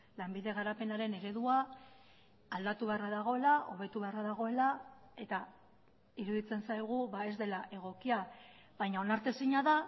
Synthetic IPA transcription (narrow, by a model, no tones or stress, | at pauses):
lambiðe̞ɣ̞aɾape̞naɾe̞ne̞ɾe̞ðua | ld̪at̪uβe̞araðaɣ̞o̞elaʔo̞β̞e̞t̪uβe̞araðaɣ̞o̞e̞la | e̞t̪a | iɾuðit͡se̞nsajɣ̞uβae̞zd̪e̞laʔe̞ɣ̞o̞kia | βajɲao̞naɾt̪e̞siɲaða